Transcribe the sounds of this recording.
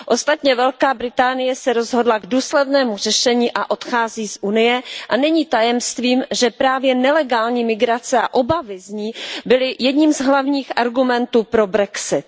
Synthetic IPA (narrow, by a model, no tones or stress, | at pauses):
ʔo̞st̪at̪ɲɛvɛlkaːbɾɪt̪aːnɪjɛsɛɾo̞zɦo̞dlaɡduːslɛdnɛːmur̝ɛʃɛɲiːʔaʔo̞t̪xaːziːsʔunɪjɛʔanɛɲiːt̪ajɛmst̪viːmʒɛpɾaːvjɛnɛlɛɡaːlɲiːmɪɡɾat͡sɛa̰ʔo̞bavɪzɲiːbɪlɪjɛdɲiːmzɦlavɲiːxʔaɾɡumɛnt̪uːpɾo̞bɾɛksɪt̪